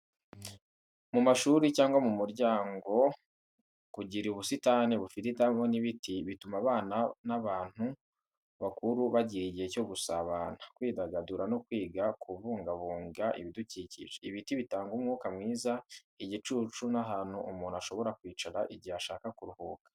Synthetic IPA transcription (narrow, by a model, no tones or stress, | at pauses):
mumaʃuːɾicaːŋɡwamumuɾɟaːŋɡo̞ | kuɟiɾiuβusitaneβufititamoniβitiβitumaβaːnanaβaːn̥hu | βakuɾuβaɟiɾiɟiheco̞ɡusaβaːnakwiːdaɡaduɾanokwiːɡakuβuːŋɡaβuːŋɡaʔḭβiduciːcḭʒeiβitiβitaːŋɡumŋuːkamŋiːza | iɟit͡ʃuːt͡ʃunaɦaːn̥huʔumuːnuaʃo̞βo̞ɾakwiːt͡ʃaɾaʔiɟiaʃaːkakuɾuhuːkḁ